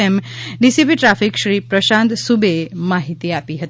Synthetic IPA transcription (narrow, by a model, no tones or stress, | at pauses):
emɖisip̬iʈɾafikʃɾiːpɾəʃãnt̪subʱemaɦit̪iapiɦət̪